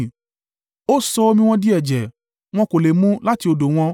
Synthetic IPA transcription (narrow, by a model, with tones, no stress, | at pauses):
o˦sɔ˧o˧mĩ˧w̃ɔ̃˧di˦ɛ˨d͡ʒɛ˨ | w̃ɔ̃˧ko˨le˨mũ˦la˦ti˧o˧do˨w̃ɔ̃˧